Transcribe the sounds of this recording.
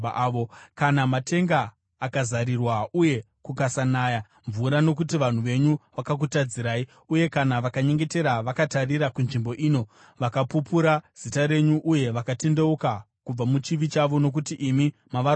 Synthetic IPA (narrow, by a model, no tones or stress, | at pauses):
ʋokanamate̞ŋɡaː | kazaɾirwauje̞ | kukasanaːja | ɱvuɾano̞k̬utiʋan̤uʋe̞ɲuʋakak̬utad͡ziɾaːi | uje̞kanaʋakaɲe̞ŋɡe̞te̞ɾaʋakatarirakunʐimbo̞ʔiːno̞ | ʋakapupuɾaz̥itaɾe̞ɲuʔuje̞ʋakate̞nde̞uka | kub͡vamut͡ʃiʋit͡ʃaʋo̞no̞k̬utiʔimimaʋa